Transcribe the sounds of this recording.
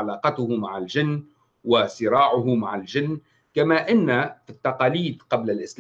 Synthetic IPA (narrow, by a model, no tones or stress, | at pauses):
laːqɑt̪ʊhʊmaʕald͡ʒɪnː | wasɪɾɑːʕʊɦʊmaʕald͡ʒɪnː | kamaːʔɪnːafit̪ːɑqɑːliːd̪qɑblalʔɪsl